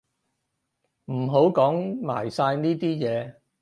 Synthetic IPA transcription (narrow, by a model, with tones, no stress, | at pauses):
m̩˨˩ɦo˨˥wkɔː˨˥ŋma̰ː˨˩jsaː˧jniː˥t̪iː˥jɛː˨˧